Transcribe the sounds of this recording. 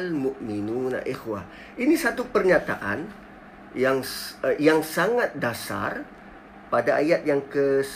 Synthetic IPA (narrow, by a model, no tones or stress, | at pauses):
lmuʔminũna̰ʔexwa | ʔinisat̪upərɲat̪a̰ʔa̰n | jaŋjaŋsaŋat̪̚dasa̰r | padaajat̪̚jaŋkəs